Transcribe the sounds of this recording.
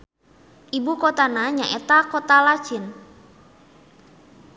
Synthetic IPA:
ʔibukɔt̪anaɲaʔet̪akɔt̪alḁʒ̥ɪn

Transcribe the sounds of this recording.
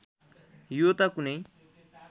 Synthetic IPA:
jot̪akunej

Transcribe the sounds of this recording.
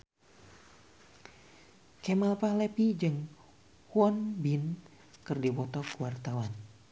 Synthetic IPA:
kemalpahlepid͡ʒɨŋ | huɔnbin | kɨrdiwɔt̪ɔkuwart̪awan

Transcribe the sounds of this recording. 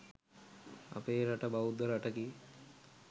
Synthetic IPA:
a̰peːɾaʈɐbawud̪ːəɾaʈəki

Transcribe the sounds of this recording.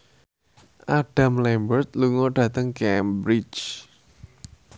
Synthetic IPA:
ʔaɖ̥a̤mlɛmbərt̪̚luŋɔɖ̥ä̤t̪əŋkɛmbɾit͡ʃ

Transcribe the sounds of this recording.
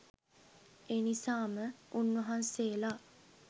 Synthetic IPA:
eːnisaːməunʋɐɦanseːla

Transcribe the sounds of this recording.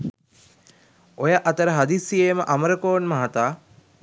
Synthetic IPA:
ojəʔɐt̪əɾəɦad̪isieːməʔaməɾəkoːnmɐɦat̪aː

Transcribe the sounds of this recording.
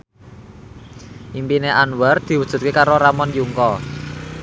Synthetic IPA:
ʔimpineʔanwɛrd̪̥i̤wu̥ʒ̥ṳt̪̚kekaɾoɾamɔnjuŋkɔ

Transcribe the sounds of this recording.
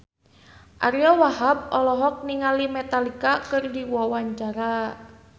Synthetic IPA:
ʔaɾiɔwaɦab̚ɔlɔɦɔk̚niŋalimɛt̪alikakɨrdiwɔwaɲt͡ʃaɾa

